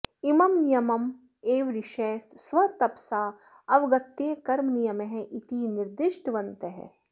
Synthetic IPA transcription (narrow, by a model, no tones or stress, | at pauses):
imɐmnijɐmɐm | eːʋɾiʃeːsswɐt̪ɐpsaː | ɐʋɡɐt̪ːeːkɐɾmnijɐmeɦɛ̃ʔit̪iːniɾd̪ɪʃʈʋɐnt̪eɦɛ̰